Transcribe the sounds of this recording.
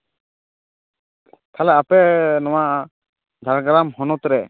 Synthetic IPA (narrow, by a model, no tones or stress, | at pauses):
t̪ʰalɛapɛnɔwaʔ | d̪ʱaɾɡaɾamhɔnɔt̪ɾɛ